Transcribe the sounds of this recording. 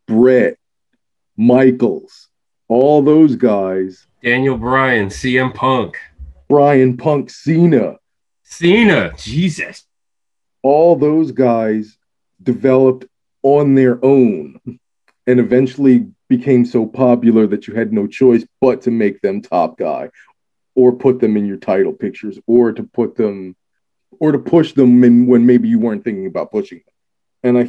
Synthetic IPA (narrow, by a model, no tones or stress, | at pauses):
b̥ɹɛt̚ | maɪkl̩ˠz̥ | ɔlˠðoʊzɡaɪz̥ | d̥æ̃njl̩ˠbɹaɪɨ̃nsiɛ̃mpʰʌ̃ŋkb̥ɹaɪɨ̃npʰʌ̃ŋksinɨ | sinɨ̥d͡ʒizɨs | ɔlˠðoʊzɡaɪz | dɨvɛlˠəp̚t | ə̃nðə˞ʔõʊ̃n | ɨ̃nɨvɛ̃nt͡ʃl̩ˠib̥ɨkʰẽɪ̃msoʊpʰɑpjl̩ˠə˞ðɨt͡ʃɨɨdⁿnoʊt͡ʃʰɔɪsb̥ʌtʰɨmeɪk̚ðɨ̃mtʰɑ̰p̚ɡ̥a̰ɪ | ə˞pʰʊt̪̚ðɨ̃mɨ̃njə˞tʰaɪɾl̩ˠpʰɪk̚t͡ʃə˞zə˞ɾɨpʰʊt̪̚ðə̃m | ə˞ɾəpʰʊʃðə̃mɪ̃nwə̃nmeɪbijɨwɜ˞ɨ̃nθɪ̃ŋkɪ̃ŋəbaʊt̚pʰʊʃɪ̃ŋðə̃m | ɨ̃naɪ